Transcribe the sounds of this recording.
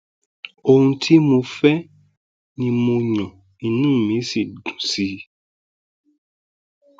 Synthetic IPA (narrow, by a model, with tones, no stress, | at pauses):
o˧hũ˧tʰi˦mo˧fɛ˦ | nĩ˧mo˧ɲɔ̃˨ | i˨˦nũː˦˨mĩ˨˦si˦˨dũ˨si˨˦